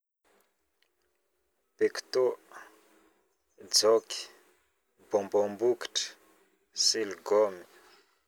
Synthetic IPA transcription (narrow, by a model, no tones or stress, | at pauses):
pekt̪o | d͡zɔki̥ | bɔmbɔmbuki̥ʈ͡ʂə̥ | silɡɔmi